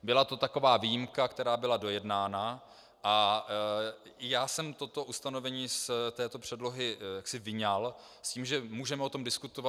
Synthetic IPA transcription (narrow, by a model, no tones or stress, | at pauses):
bɪlat̪o̞t̪ako̞vaːviːjɪmkakt̪ɛɾaːbɪlado̞jɛdnaːna | ʔa | jaːsɛmt̪o̞t̪o̞ʔust̪ano̞vɛɲiːst̪ɛːt̪o̞pr̝̥ɛdlo̞ɦɪjaksɪvɪɲalsciːmʒɛmuːʒɛmɛʔo̞t̪o̞mdɪskut̪ova